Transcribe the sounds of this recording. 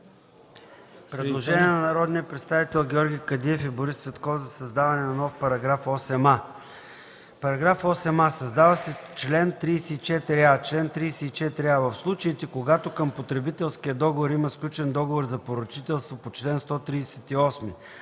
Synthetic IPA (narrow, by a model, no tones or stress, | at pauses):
pɾɛdlˠoʒɛnʲiɛnɐnɐɾɔd̪nijəpɾɛt̪st̪avit̪ɛlˠɡʲɛɔɾɡʲikɐd̪iɛfiboɾisːvɛt̪kɔfzɐsɐzd̪avɐnɛnɐnɔfpɐɾɐɡɾafɔsɛma | pɐɾɐɡɾafɔsɛmasɐzd̪avəsɛt͡ʃlɛnt̪ɾiːsɛit͡ʃɛt̪ɾiat͡ʃlɛnt̪ɾisɛit͡ʃɛt̪ɾiavəfslˠut͡ʃəit̪ɛkoɡat̪okəmpot̪ɾɛbit̪ɛlˠsk̟ʲiəd̪ɔɡovoɾiməsklʲut͡ʃɛnd̪ɔɡovoɾzɐpoɾot͡ʃit̪ɛlˠst̪vopot͡ʃlɛnst̪ɔt̪ɾiːsɛt̪iɔsmi